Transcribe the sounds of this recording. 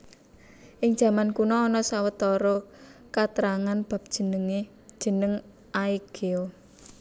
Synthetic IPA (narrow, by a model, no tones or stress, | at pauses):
ʔɪŋʒ̥ä̤mankunɔːnɔsawət̪ɔɾɔkat̪ɾaŋanb̥a̤p̚d̥ʒ̥ənəŋe̥ | ʒ̥ə̤nəŋ | ʔaiɡ̥eo